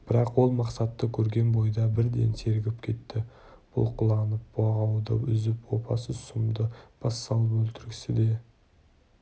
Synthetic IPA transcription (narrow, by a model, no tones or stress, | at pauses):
b̥ɪɾɑqwo̞lˠmɑqsɑt̪ːəkʲʰɵɾɡʲe̞nbo̞jd̪ɑbɪɾd̪e̞̰nsʰe̞ɾɡʲɪpkʲʰe̞t̪ːɪ | b̥ʊ̰lˠqʰʊlˠɑnəp̚bɑʁɑwd̪ə̰ʏ̰zɪpwo̞pʰɑ̰səsʊmd̪əb̥ɑsːɑlˠəpɵlt̪ɪɾɡʲɪ̥sɪd̪e̞